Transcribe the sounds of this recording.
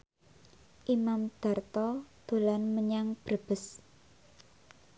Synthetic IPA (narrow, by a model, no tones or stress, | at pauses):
ʔimamd̪̥a̤rt̪ɔd̪̥o̤lanməɲaŋb̥rb̥ə̤s